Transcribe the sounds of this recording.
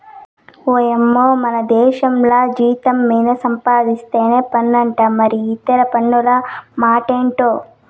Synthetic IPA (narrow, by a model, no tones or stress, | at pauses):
oːjemːoːmɐnɐd̪ɛːʃɐmlaːd͡ʒiːt̪ɐmːiːnɐsɐmpaːd̪ist̪e̞ːneːpɐnːɐɳʈɐːmɐɾiːt̪ːɐɾɐpɐnːulɐmaːʈeːɳʈoː